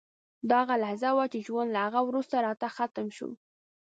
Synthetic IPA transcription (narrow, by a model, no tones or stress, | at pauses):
d̪ɑɣalahzawat͡ʃeʒwand̪lahaɣawɾust̪aɾɑt̪axat̪əmʃṵ